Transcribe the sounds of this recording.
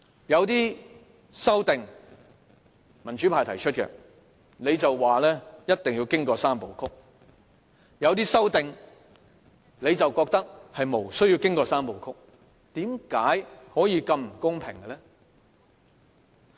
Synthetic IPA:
jɐ˨˧wt̪̬iː˥ | sɐ˥wt̪ɪ˨ŋ | mɐ˨˩nt͡ʃyː˨˥pʰaː˨˩jt̪ʰɐ˨˩jt͡ʃʰɵ˥t̚kɛ̰˧ | ne˨˧jt͡sɐ˨wːaː˨lɛː˥jɐ˥t̚t̪ɪ˨ŋjiː˧wkɪ˥ŋkɔː˧saː˥mpo˨wkʰʊ˥k̚ | jɐ˨˧wt̪̬iː˥sɐ˥wt̪ɪ˨ŋ | le˨˧jt͡sɐ˨wkɔː˧k̚t̪ɐ˥k̚hɐ˨jmo˨˩wsɵ˥ɥji˧wkɪ˥ŋkɔː˧saː˥mpo˨wkʰʊ˥k̚ | t̪iː˨˥mkaː˨˥jhɔː˨˥jiː˨˧kɐ˧mm̩˨˩kʊ˥ŋpʰɪ˨˩ŋɡɛ˧lɛ˥

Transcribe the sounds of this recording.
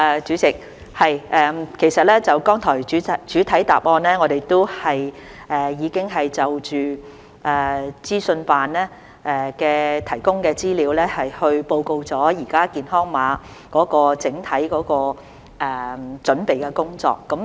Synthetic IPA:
ɛː˨˩t͡ʃyː˨˥t͡sɪ˨k̚ | hɐ˨jʔɛː˨kʰe˨˩jsɐ˨t̚lɛː˥t͡sɐ˨wkɔː˥ŋt̪ʰɔː˨˩jyː˨˥˨t͡ʃyː˨˥t̪ʰɐ˨˥jt̪a̰ː˨p̚ŋɔː˧nlɛː˥ŋɔː˨˧ɾe˨jt̪o˥whɐ˨j | ʔɛː˨jiː˨˧kɪ˥ŋɦɐ˨jt͡sɐ˨wt͡ʃyː˨ | ʔɛː˨˩t͡siː˥sɵ˧npaː˨nɛː˥ | ʔɛː˨kɛː˧t̪ʰɐ˨˩jkʊ˥ŋkɛː˧t͡siː˥li˨˧wlɛː˥hɐ˨jhɵ˧ɥpo˧wko˧wt͡sɔː˨˥jiː˨˩kaː˥kiː˨nɦɔː˥ŋmaː˨˧ | kɔː˨˥kɔː˧t͡sɪ˨˥ŋt̪ʰɐ˨˥jkɔː˨˧˥kɔː˧ | ʔɛː˨˩t͡sɵ˨˥npe˨jkɛː˧kʊ˥ŋt͡sɔ̰ː˨kːɐ˨˥m

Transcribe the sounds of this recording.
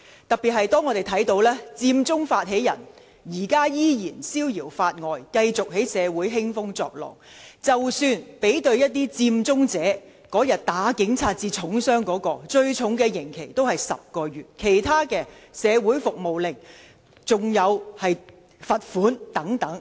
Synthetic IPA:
t̪ɐ˨k̚piː˨t̚ɦɐ˨jt̪ɔː˥ŋːɔː˨˧t̪e˨˩jt̪ʰɐ˨˥jt̪o˨˥wlɛː˥t͡siː˧mt͡sʊ˥ŋfaː˧t̚ɦe˨˥jɐ̰˨˩n | jiː˨˩kaː˥jiː˥jiː˨˩nsiː˥wjiː˨˩wfaː˧t̚ŋɔː˨jkɐ˧jt͡sʊ˨k̚he˨˥jsɛː˨˧wuː˨˥jɦɪ˥ŋfʊ˥ŋt͡sɔ̰ː˧k̚lɔ̰ː˨˩ŋt͡sɐ˨wsyː˧npe˨˥jt̪ɵ˧ɥjɐ˥t̚t̪iː˥t͡siː˧mt͡sʊ˥ŋt͡sɛː˨˥ | kɔː˨˥jɐ˨t̚t̪aː˨˥kɪ˨˥ŋt͡sʰaː˧t̚t͡siː˧t͡sʰʊ˨˥ŋsœː˥ŋkɔː˨˥kɔː˧t͡ʃɵ˧ɥt͡sʰʊ˨˥ŋkɛː˧jɪ˨˩ŋkʰe˨˩jt̪o˥whɐ˨jsɐ̰˨p̚kɔː˧ɥyː˨˩t̚kʰe˨˩jt̪ʰaː˥kɛː˧sɛː˨˧wuː˨˥jfʊ˨k̚mo˨wlɪ˨k̚ | t͡sʊ˨ŋjɐ˨˧whɐ˨j | fɐ˨t̚fuː˨˥nt̪ɐ˨˥ŋt̪ɐ˨˥ŋ

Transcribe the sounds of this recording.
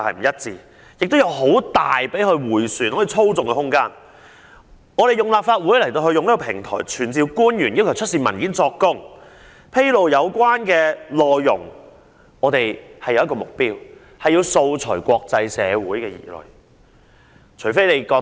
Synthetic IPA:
hɐ̰˨m̩˨˩jɐ˥t̚t͡siː˧ | jɪ˨k̚t̪wjɐ˨˧wɦo˨˥wt̪aː˨jpe˨˥jhɵ˧wuː˨˩jsyː˨nhɔ˨˦˥ji˨˧t͡sʰo˥wt͡sʊ˨ŋkɛ˧hʊ˥ŋkaː˥n | ŋɔː˨˧ɾe˨˩jʊ˨ŋlaː˨p̚faː˧t̚wu˨˥jlɐ˨˩jt̪o˧wɦɵ˧ɥjʊ˨ŋli˥kɔ˧pʰɪ˨˩ŋt̪ʰɔ̰ː˨˩jt͡ʃʰyː˨˩nt͡siː˧wkuː˥njyː˨˩nji˥wkʰwt͡ʃʰɵ˥t̚siː˧mɐ˨˩nkiː˨˥nt͡sɔː˧kːʊ˥ŋ | pʰe˥jlo˨wjɐ˨˧wkʷwaː˥nkɛː˧lɔː˨jːʊ̰˨˩ŋ | ɔː˨˧t̪e˨jhɐ˨˩jɐ˨˧wjɐ˥kɔː˧mʊ˨k̚piː˥w | hɐ˨jːiː˧wso˧wt͡sʰɵ˨˩jkʷɔː˧k̚t͡sɐ˧jsɛː˨˧wuː˨˥jkɛː˧jḭː˨˩lɵ̰˨˩ | t͡ʃʰɵ˨˩fe˥jle˨˧jkɔː˧

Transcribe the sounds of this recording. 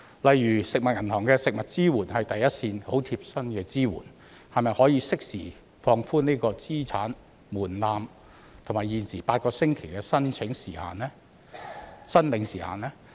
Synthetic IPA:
lɐ˨jːyː˨˩sɪ˨k̚mɐ˨t̚jɐ˨˩nhʰɔː˨˩ŋkɛː˧sɪ˨k̚mɐ˨t̚t͡siː˥wuː˨˩nhɐ˨jt̪ɐ˨jɐ˥t̚siː˧nho˨˥wt̪ʰiː˧p̚sɐ˥nkɛː˧t͡siː˥wṵː˨˩n | hɐ˨jmɐ˨jhɔː˨˥jiː˧sɪ˥k̚siː˨˩ | fɔː˧ŋfuː˥niː˥kɔː˧t͡siː˥t͡sʰa̰ː˨˥n | muː˨˩nlaː˨˧m | t̪ʰo˨˩maː˨jiː˨˩nsiː˨˩paː˧t̚kɔː˧sɪ˥ŋkʰe˨˩jkɛː˧sɐ˥nt͡sʰɪ˨˥ŋsḭː˨˩ha̰ː˨˩nɛː˥ | sɐ˥nlɪ˨˧ŋsiː˨˩ha̰ː˨nɛː˥

